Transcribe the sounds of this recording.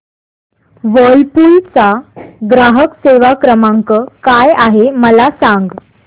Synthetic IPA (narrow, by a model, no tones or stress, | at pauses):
ʋəlpult͡saɡɾaɦəkseʋakɾəmaŋkəkajaɦeməlasaŋɡ